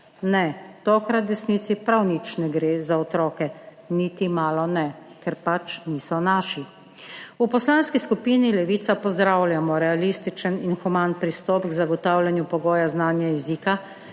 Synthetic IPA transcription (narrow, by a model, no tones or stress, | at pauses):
nɛt̪oːkɾat̪̚d̪ɛsniːt̪sipɾawnit͡ʃnɛɡɾeːzaɔt̪ɾɔːkɛ | niːt̪imaːlɔnɛkɛɾpat͡ʃniːsɔnaːʃi | upɔslaːnskiskupiːnilɛʋit̪sapɔzd̪ɾaːwlʲjamɔɾɛalist̪it͡ʃəninxumanpɾist̪ɔpɡzaɡɔt̪awljanjupɔɡoːjaznaːnjaɛziːka